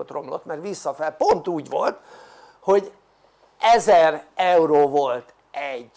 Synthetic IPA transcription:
ot̪ro̞mlo̰t̪mɛrʋisːɒfɛlpo̞nt̪uːɟʋo̰lt̪ | ho̞ɟ | ʔɛzɛrɛuɾoːvo̞lt̪ | ʔɛɟ

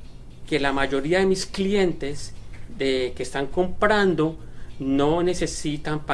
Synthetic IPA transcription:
ke̞lamaʝo̞ɾiaðe̞misklje̞nt̪e̞sd̪ekest̪aŋko̞mpɾand̪o̞ | no̞ne̞se̞sit̪ampa

